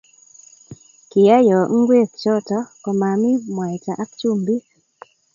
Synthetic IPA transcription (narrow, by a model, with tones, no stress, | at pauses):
kɪ˨ja˦jɔ˨ŋ̩˦ɡwe˦˨kt͡ʃɔ˦tɔ˦kɔ˨ma˨mi˦mwa˨jta˨ʔa˦kt͡ʃu˦mbi˦